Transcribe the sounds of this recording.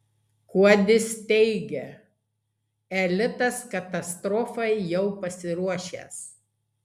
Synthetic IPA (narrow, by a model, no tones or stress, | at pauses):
kuɔd̪ʲɪst̪ʲɛɪɡʲɛ | ɛlʲɪt̪ɐskɐt̪ɐst̪ɾɔfɐɪjɛʊpɐsʲɪɾuɔʃʲḛːs